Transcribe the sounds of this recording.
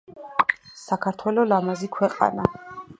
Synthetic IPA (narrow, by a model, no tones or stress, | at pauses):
sakʰaɾt̪ʰwɛlɔlamazikʰwɛqʼa̰na